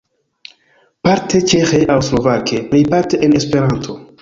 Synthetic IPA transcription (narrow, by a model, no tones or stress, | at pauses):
paɾtʰet͡ʃexeʔawslo̞vakemejpaɾteʔenespe̞ɾantʰo̞